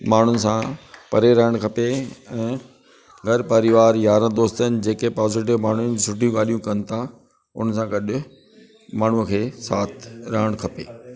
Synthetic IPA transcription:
maːɳ̤ʊnɪ̆sãpɐɾeɾɐɦəɽ̃kʰɐpeɛ̃ː | ɡʱɐɾpɐɾɪʋaːɾjaːɾə̃d̪oːst̪ənɪ̆d͡ʑeːkepɔːzɪʈ̬ɪʋmaːɳ̤ʊnɪsʰʊʈijũɡaːl̤ijũkɐnɪ̆t̪ʰa | ʊ̰nəsãɡɐɗʊ̆ | maːɳ̤ukʰeːsaːt̪ʰɾɐɦəɽ̃kʰɐpḛː

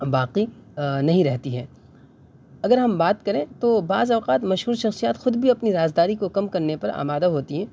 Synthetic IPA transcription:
baːqinɐɦĩɾɛɦt̪iɦɛː | ɐɡəɾɦɐmbaːt̪kɐɾẽt̪oːbaːzɔːqaːt̪mɐʃɦuːɾʃɐxsijaːt̪xʊd̪bʱiɐpniɾaːzd̪aːɾikokɐmkɐɾnepɐɾa̰ːmaːd̪aɦoːt̪iɦɛ̃ː

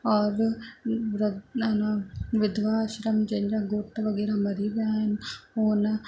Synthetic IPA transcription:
ɔːɾ | ɾɐɐnɐʋɪd̪ʱʋaːʃɾɐmd͡ʒɐɲd͡ʒaɡoʈ̪ːɐʋɐɡiɾɐmɐɾiʋjaːjɐnoːnɐ

